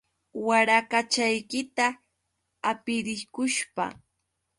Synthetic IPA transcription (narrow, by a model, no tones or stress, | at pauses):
waɾakat͡ʃajkɪt̪aː | pɪɾɪkʊʃpa̰